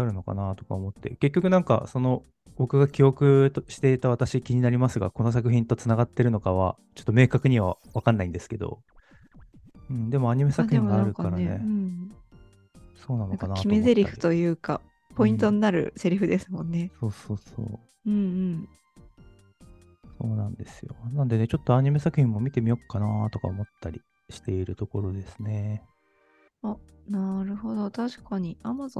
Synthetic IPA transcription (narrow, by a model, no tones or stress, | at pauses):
aɾɯ̟no̞ka̰nat̪o̞̥ka̰omo̞t̪ːe̞̰ke̞kʲːo̞kɯ̟nãŋka̰so̞no̞ | bo̞kɯ̟ɡakʲio̞kɯ̟ɕi̥t̪e̞it̪aβ̞at̪aɕikʲiɲ̟inaɾʲimasɨɡa̰ko̞no̞s̬ak̬ɯ̟çĩnt̪o̞t͡sɨnaɡat̪ːe̞ɾɯno̞kaβa | t͡ɕot̪ːo̞me̞ːkakɯ̟ɲ̟iβ̞aβakanːaĩnd̪e̞sɨ̥ke̞d̪o̞̰ | ɯ̃ɴd̪e̞mo̞aɲ̟ime̞sakɯ̟çĩŋɡaɾɯ̟kaɾaneɯ̃ɴ | so̞ːnanoakanakʲimoezzeɾʲiɸɯ̟̥t̪o̞jɯ̟ːka̰ | po̞ĩnt̪o̞ɲinaɾɯ̟̰se̞ɾɯ̟ɸɯ̟d̪e̞sɨmõ̞nːe̞so̞ːso̞ːso̰ː | ɯ̟̃ɴɯ̟̃ɴ | so̞ːnãnd̪e̞sɨjo̞̰nãnd̪e̞ne̞t͡ɕo̞t̪ːoaɲ̟ime̞sakɯ̟hʲçĩmːo̞mʲit̪e̞mʲijo̞kːanat̪o̞ka̰omo̞t̪ːaɾʲi | ɕi̥t̪e̞iɾɯ̟t̪o̞ko̞ɾo̞d̪e̞sɨ̥ne̞ | a | naɾɯ̟ho̞d̪o̞t̪aɕi̥kaɲ̟iamazõ